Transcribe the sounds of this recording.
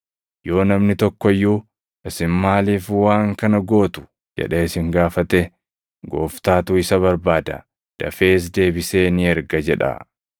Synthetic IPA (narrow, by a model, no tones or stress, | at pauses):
jo̞ːnɐmnɪt̪ɔkːɔjːuː | ʔɪsɪnmaːliːfwaːŋkɐnɐɡo̞ːt̪ʊ̥ | d͡ʒɛ̰ᶑe̞ːɪsɪŋɡaːfɐt̪ɛ | ɡo̰ːft̪aːt̪uɪsɐβɐɾbaːd̪ɐ̰ | d̪̥ɐfe̞ːs̬d̪e̞ːbɪseːnɪɛɾɡɐd͡ʒɛᶑɐ̰